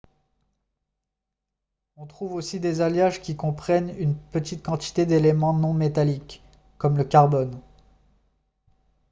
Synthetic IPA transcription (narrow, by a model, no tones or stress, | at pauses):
ɔ̃t̪χuvosid̪ezaljaʒkʲikɔ̃pχɛnynpət̪it̪̚kɑ̃t̪i̥t̪ed̪elemɑ̃nɔ̃met̪alikː | ɔmləkʲaʁbɔn